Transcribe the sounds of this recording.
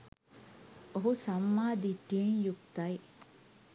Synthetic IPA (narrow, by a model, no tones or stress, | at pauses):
oɦusɐmːaːd̪iʈːienjukt̪ɐj